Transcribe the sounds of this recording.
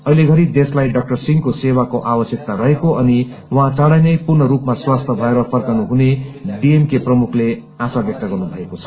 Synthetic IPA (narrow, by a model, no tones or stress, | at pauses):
ʌjleɡʱʌɾid̪eslajɖʌk̚ʈʌrsiŋkosewakoʔawʌsjʌk̚t̪aɾʌɦekoʌni | wʌɦãt͡sʌɽajnʌjpurnʌɾupmaswast̪ʰʌbʱʌeɾʌpʰʌrkanuɦuneɖiemkeprʌmukʰle | asabjʌk̚t̪ʌɡʌrnubʱʌekot͡sʰʌ̥